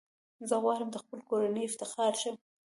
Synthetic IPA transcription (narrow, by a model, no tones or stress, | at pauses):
zəɣwɑɾəmd̪əxpəlkoɾanəjɪft̪ɪxɑɾʃəm